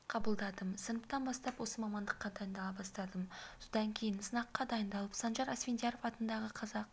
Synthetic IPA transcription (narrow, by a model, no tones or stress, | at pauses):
qʰɑbəlˠd̪ɑd̪əmsənəpt̪ɑnbɑst̪ɑpwo̞səmɑmɑnd̪əqːɑd̪ɑjənd̪ɑlˠɑbɑst̪ɑd̪əmsod̪ɑŋkʲʰe̞jɪnsənɑqːɑd̪ɑjənd̪ɑlˠəpsɑnʒɑɾæsvʲend̪jɑɾo̞fɑt̪ənd̪ɑʁəqʰɑzɑq